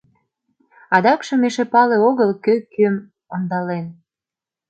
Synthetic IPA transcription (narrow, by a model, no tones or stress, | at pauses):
ɑd̪ɑkʃɤ̆meʃepɑleoɣəlkøkøm | ɑnd̪ɑlen